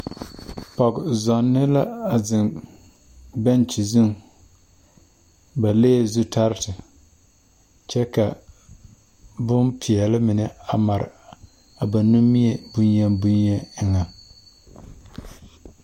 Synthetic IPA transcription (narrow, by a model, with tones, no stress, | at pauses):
pɔ˨ɡzɔ˨nːɪ˦la˦a˨zɪ˨n | bɛ˦nt͡ʃi˨zʊ˦ŋ | ba˨leː˦˨zu˦tʰa˦ɾɪ˦tɪ˨ | t͡ʃɛ˦ka˨ | bʊ˦npʰi˨ɛ˨lɪ˦mɪ˨nɪ˨a˨ma˨ɾɪ̰˨ | a˨ba˨nu˦mi˦e˨bʊ˦njɛ˦nbʊ˦njɛ˦ɪ˦ŋa˨